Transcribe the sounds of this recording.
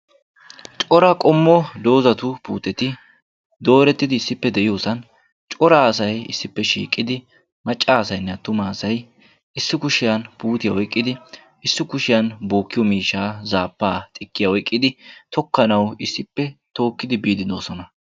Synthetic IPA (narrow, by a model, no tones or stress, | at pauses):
t͡ʃʼɔɾɐkʼɔmːɔd̪o̞ːzɐt̪ʊpuːt̪ɛt̪ɪ | d̪o̞ːɾɛt̪ːɪd̪ɪːsːɪpːɛd̪ɛʔɪjo̞ːsɐn | t͡ʃʼɔɾaɐsɐjɪ̰sːɪpːɛʃḭːkʼːɪd̪ɪ | mɐt͡ʃʼːaːsɐjnːɛt̪ʊmaːsɐj | ɪsːɪkʊʃɪjɐnpuːt̪ɪjawɔjkʼːɪd̪ɪ | ɪsːɪkʊʃɪjɐnbo̞ːkːɪjɔmiːʃːaːzaːpːaːt̪ʼɪkːɪjawɔjkʼːɪd̪ɪt̪ɔkːɐnɐwɪsːɪpːɛt̪o̞ːkːɪd̪ɪbiːd̪ɪd̪o̞ːsɔnɐ